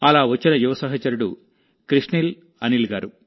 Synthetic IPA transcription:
ɐlaːʋɐt͡ʃːinɐjuʋɐsɐɦɐt͡ʃɐɾuɽu | kɾiʂɳil | ɐnilɡaːɾu

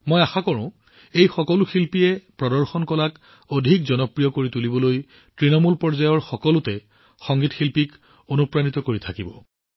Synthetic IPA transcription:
mojaxakɔɹɔ̃ | ejxɔkɔluxilpijɛpɹɔdɔɹxɔnkɔlak | odʱikzɔnɔpɹijɔkoɹitulibɔloj | tɹinɔmulpɔɹzajɔɹxɔkɔlʊtɛ | xɔŋɡitxilpik | onupɹanitɔkoɹitʰakibɔ

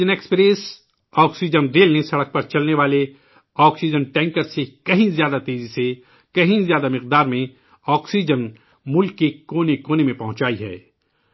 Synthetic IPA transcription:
əneːkspɾeːs | ɔːksid͡ʒənɾeːlnesɐɽək̚pɐɾt͡ʃɐlneʋaːle | ɔːksid͡ʒənʈɛ̃ːŋkəɾsekɐɦĩzjaːd̪at̪eːzise | kɐɦĩzjaːd̪amɪqd̪aːɾmẽ | ɔːksid͡ʒən | mʊlkːekoːnekoːnemẽpɐɦʊ̃t͡ʃaːiɦɛ̰ː

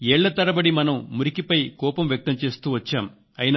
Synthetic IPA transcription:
eːɭːɐt̪ɐɾɐbɐɽimɐnɐmːuɾikipɐjkɔːpɐmʋjɐk̚t̪ɐmt͡ʃe̞ːst̪uːʋɐt͡ʃːaːm | ɐjinː

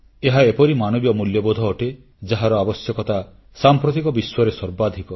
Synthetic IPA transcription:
eɦaepɔɾimanɔbjɔmuljɔbod̪ʱɔːʈe | d͡ʒaɦaɾɔabɔsjɔkɔt̪a | sampɾɔt̪ikɔbiswɔɾesɔɾbad̪ʱikɔ

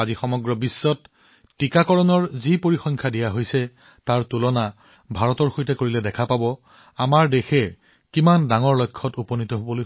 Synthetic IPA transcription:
azixɔmɔɡɹɔbisːɔtː | ikakɔɹɔnɔɹzipoɹixɔŋkʰadijaɦojsɛ | taɹtulɔna | bʱaɹɔtɔɹxojtɛkoɹilɛdɛkʰapabɔ | amaɹdexɛ | kimandaŋɔɹlojkʰːɔtupɔnitɔɦobɔloj

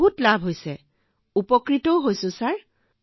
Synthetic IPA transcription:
ɦutlabʱɦojsɛ | upɔkɹitɔʊɦojsʊ̃saɹ

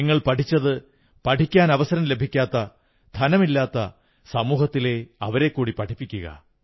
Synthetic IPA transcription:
iŋːɐɭpɐʈʰit͡ɕːɐðɨ | pɐʈʰikʲːaːnɐʋɐsɐɾɐmle̞bʱikʲːaːt̪ːɐ | d̪ʱɐnɐmilːaːt̪ːɐ | sɐmuːhɐt̪ːile̞ɐʋɐɾe̞kːuːɽipɐʈʰipːikʲːuɣɐ̰

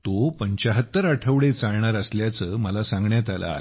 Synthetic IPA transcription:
t̪opəɲt͡ɕaɦət̪ːəɾaʈʰəʋɽet͡saɭɳaɾəsljat͡səːməlasãŋɡɳjat̪ala̰

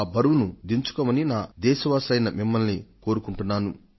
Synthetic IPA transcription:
bʱɐɾuʋunud̪iɲt͡ʃu̥koːmɐninaːd̪ɛːʃɐʋaːsɐjnɐmimːɐlniko̞ːɾukuɳʈunːaːnu

